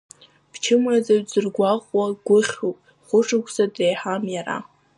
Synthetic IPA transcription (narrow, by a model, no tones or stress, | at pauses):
b̥t͡ʃʰɨmad͡zaɥd͡zɨrɡʷaqʼwaɡʷʊχʲopʼ | χʷʊʈ͡ʂʰɨkʷʰsadrejħamjaɾa̰